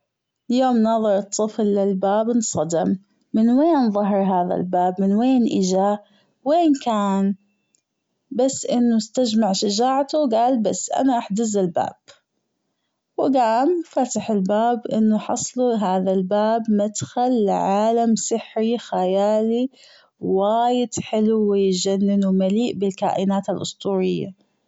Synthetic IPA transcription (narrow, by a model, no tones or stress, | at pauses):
ljoːmnɑːðˤɑɾɨt̪ˤːɨflːɪlbaːbnsˤɑd̪ɪmː | ɪnweːnðˤɑɦɑɾˤɦaːða̰lbaːbmɪnweːnʔɪd͡ʒa | weːnkaːn | basːʔɪnːust̪ad͡ʒmaʕʃad͡ʒaːʕt̪uwɡaːlbasːʔa̰naʔaħd̪ɪzɪlba̰ːb̥̚ | wɡaːmfat̪ɪħɪlbaːbʔɪ̰nːʊħɑ̰sˤluɦaːðalbaːbmad̪xalːʕaːlamsɪħːixajaːli | waːjɪd̪ħɪluwɪjd͡ʒanːɪnuwmaliːʔbɪlka̰ːʔɪnaːt̪alʔʊst̪ˤuːɾɪjːa̰